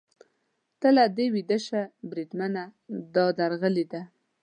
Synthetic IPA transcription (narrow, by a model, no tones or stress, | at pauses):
t̪əlad̪ewid̪əʃabɾid̪manad̪ɑd̪aɾɣəlid̪a